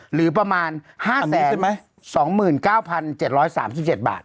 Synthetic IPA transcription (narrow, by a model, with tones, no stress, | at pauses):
ɾɯː˩˦p̬ɾa˧maː˧nhaː˥˩nsiɛː˦˩˦n˩ma˦˥ | sɔː˩˦ŋmɯː˨˩nkaː˥˩wpʰa˧nt͡ɕe˨˩t̪̚ɾɔː˦˥jsa̰ː˩˦ms̬i˨˩p̚t͡ɕe˨˩t̪̚ba̰ː˨˩t̪̚